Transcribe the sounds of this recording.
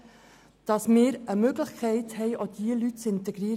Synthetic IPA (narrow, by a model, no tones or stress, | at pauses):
d̥ɑsmɪːɾəmøɡləχkʰɛɪthɛɪʔod̥̪iəlytt͡sɪntɛɡɾiːɾ